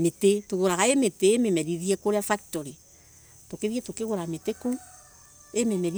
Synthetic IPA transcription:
metetoɣoɾaɣaemeteememɛɾiðiɛkoɾeafak̚toɾi | tokeðietokeɣoɾameteko | ememɛɾi

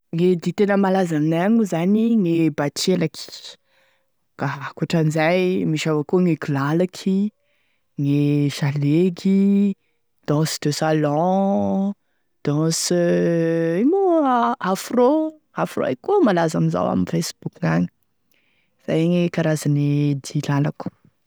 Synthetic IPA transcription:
ŋed̪it̪enəmalazaminaaɲuzaniŋebat͡ʃelaki̥ | kaɦakuaʈ͡ʂanizajmiʃavakuŋekilalakʰi | ŋeʃaleɡi | d̪̥ɔ̃si̥d̪esalɔ̃ | d̪̥ɔ̃s | imuafro | afro̰a̰jkumalazamiza̰wa̰minfesb̥ukŋaɲi | iz̥ajŋekaɾazaned̪ilalaku̥

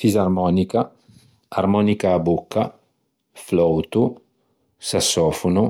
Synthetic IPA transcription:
fizaɾmɔnika | aɾmɔnikaːbukːa | flɔwt̪u | sasːɔfunu

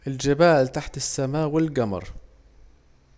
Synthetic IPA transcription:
ʔɪld͡ʒɪbaːlt̪aħt̪ɪsːamaːwɪlɡamɑ̰ɾˤ

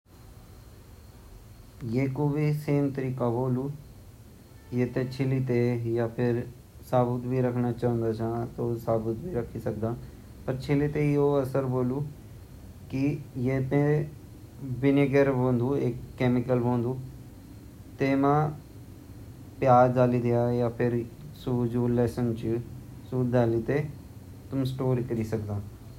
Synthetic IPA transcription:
jeːkoːbiːseːmt̪əɾiːkaːboːluː | jeːt̪eːt͡ʃʰɪliːt̪eːjaːpʰɪɾ | saːbət̪biːɾəkʰnaːt͡ʃaːə̃nd̪aːt͡ʃãːt̪oːsaːbət̪bʱiːɾəkʰːiːsək̚d̪aː | pəɾt͡ʃʰɪliːt̪eːioːəsəɾboːluː | kɪjeːpẽː | bɪneɡəɾbõːnd̪uːɪkːɛːmɪkəlɦõːnd̪uː | t̪eːmãː | pjaːɾd̪aːliːd̪ɪjaːjaːpʰɪɾsuːd͡ʒuːlɛːsənt͡ʃsuːd̪aːliːt̪eː | t̪ʊmsʈoːɾikəɾiːsəkd̪aː

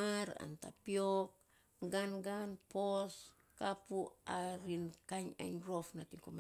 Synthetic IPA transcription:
aɾa̰nta̰piok̚ | ɡanɡanpos | kapuaɾinkaɲa̰ɲɾofnatiŋkoma

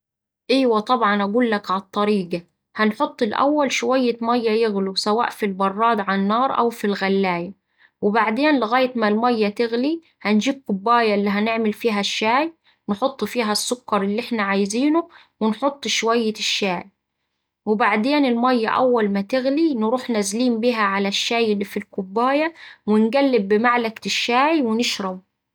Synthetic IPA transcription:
ʔiːwæt̪ˤɑbʕɑnʔæɡuːlːakʕat̪ˤːɑɾiːɡa | hænħot̪ˤːɪlʔæ̰wːælʃʊwajːɪmæjːæjɪɣlusawa̰ːʔfilbɑrˤːɑːd̪ʕanːɑːɾˤʔa̰wfilɣælːæːja | wɪbaʕd̪eːnlɪɣæːjɪt̪malmæjːæt̪ɪɣli | hænd͡ʒiːb̚kʊbːæːjælːiːɦænɪʕmɪlfiːɦæʃːaːj | nħot̪ˤːfiːɦæsːʊkːɑɾˤɪlːiʔɪħnaʕajziːnʊ | wɪnħot̪ˤːʃwajːɪʃːaːj | wɪbaʕd̪eːnɪlmæjːa̰ʔæwːalmæt̪ɪɣlinɾuːħnazliːmbiːɦæʕalæʃːaːjɪlːifilkʊbːaːjawɪnɡælːɪbːɪmaʕlakt̪ɪʃːaːjwɪnɪʃɾɑb̚

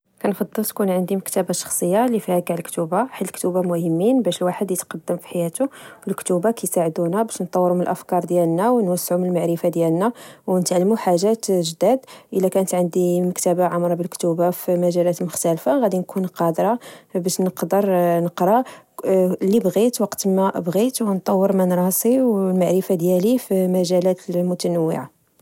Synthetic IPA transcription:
kænfɑd̪ˤːəlt̪kunʕənd̪iməkt̪æbaʃɑ̥xsˤəjːalifihækʕəlkt̪ubaħalːəlkt̪ubamʊhəmːinbæʃəlwaħəd̪jət̪qɑd̪ːəmfi̥ħajæt̪uwəlkt̪ubakæjsaʕəd̪unæbæʃnt̪ˤːɑwːəɾumənəlʔəfkɑɾˤd̪jælnæwnwəsːʕumnəlmaʕɾəfad̪jælnæwnət̪ʕlːmuħaʒæt̪ʒəd̪æd̪ʔəlːækænət̪ʕənd̪iməkt̪əbaʕamɾˤɑbəlkt̪ubafimæʒælæt̪mʊxt̪ælfaɣæd̪inkʰunqɑd̪ɾˤɑbæʃnəqd̪əɾˤnəqɾˤɑ | libɣit̪wɑqt̪mæbɣit̪wnt̪ˤːɑwːəɾmænɾˤɑsˤiwlmaʕɾəfad̪jælifimæʒælæt̪əlmʊt̪ænæwːə̰ʕa

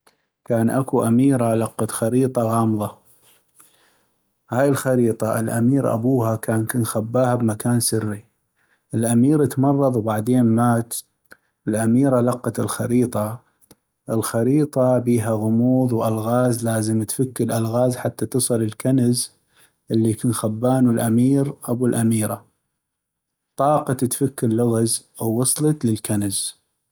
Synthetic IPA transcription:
kaːnʔakuʔamiːɾalɑqːɑt̪xɑɾiːt̪ˤɑɣɑːmðˤɑ | haːjɪlxɑɾiːt̪ˤɑʔɪ̰lʔa̰miːɾʔa̰buːhakaːnkunxabːaːhabmakaːnsɪrːi | ʔɪlʔamiːɾət̪mɑrˤːɑðˤwbaʕd̪eːnmaːt̪ | ɪlʔamiːɾalɑqːɑt̪ɪlxaɾiːt̪ˤɑ | ʔɪlxɑɾiːt̪ˤɑbiːɦaɣʊmuːðwʔalɣaːzlaːzəmt̪fakːɪlʔalɣaːzħat̪ːat̪ɨsˤɨlɪlkanz | ʔɪlːikuːnxabːaːnəlʔamiːɾʔabulʔamiːɾa | t̪ˤɑːqɑt̪t̪fakːɪɾlʊɣaz | wːɑsˤlɑt̪ləlkanz̥

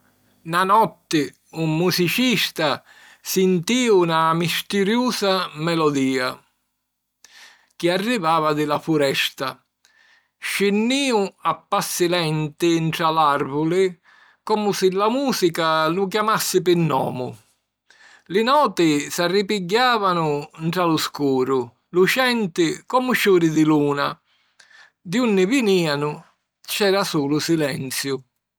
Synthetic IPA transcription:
nanɔt̪ːɪ | umːusit͡ʃist̪a | sɪnt̪iːunamist̪ɪɾjuːsamɛlɔd̪iːa | k̟ɪarːivaːvad̪ɪlafuɾɛst̪a | ʃɪnːiːʊapːasːɪlɛnt̪ɪɳt̪ɾalarvʊlɪ | kɔːmʊsɪlːamuːsikalʊk̬jamasːɪpɪnːɔ̰ːmʊ | lɪnɔːt̪ɪsarːipiɟːaːvanʊɳt̪ɾalʊskuːɾʊ | lut͡ʃɛnt̪ɪkɔmʊt͡ʃuːɾɪd̪ɪluːna | d̪iunːɪvɪniːanʊ | t͡ʃɛːɾasuːlʊsilɛnt̪sjʊ

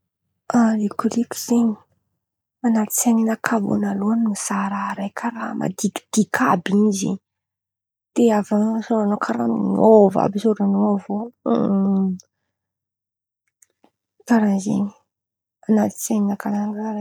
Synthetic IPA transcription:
alikuɾiki̥z̥eɲi̥ | anat̪i̥t͡seninakʰavo̰naluannisaɾaɾajkʰaɾamʔa̰d̪ikd̪̥ikʰabinizḛɲ | d̪̥eavasoɾanokʰaɾa̰minova̰bisoɾanoavo | kaɾanzḛni | anat̪i̥t͡seninakalannaɾa

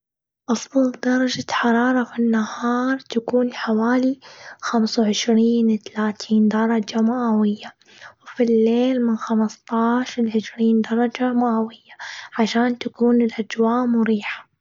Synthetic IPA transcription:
ʔɑsˤbɑld̪ɑɾˤɑd͡ʒaħɑɾˤɑːɾˤɑfinːahɑːɾˤt̪akuːnħawaːlixamsawʕɪʃɾiːnwt̪alaːt̪ʰiːnd̪ɑɾˤɑd͡ʒamaʔawɪjːa | wɪfilːeːlmɪnxamst̪ˤɑːʃɾlʕɪʃɾiːnd̪ɑɾˤɑd͡ʒamaʔawɪjːaʕaʃaːnt̪akuːnɪlʔad͡ʒwaːʔmʊɾiːħḁ

